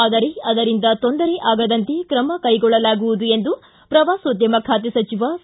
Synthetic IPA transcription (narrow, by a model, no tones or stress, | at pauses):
aːd̪ɐɾeɐd̪ɐɾind̪ɐt̪ond̪ɐɾeʔaːɡɐd̪ɐnt̪e̞kɾɐmɐkɐjɡɔɭːɐlaːɡuʋud̪ue̞nd̪u | pɾɐʋaːsod̪jɐmɐkʰaːt̪̬esɐt͡ʃiʋa